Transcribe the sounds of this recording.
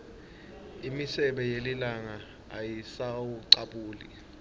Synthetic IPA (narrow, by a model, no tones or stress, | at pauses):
imisɛɓɛjelilaŋaː | jisawuǀaɓuːlḭ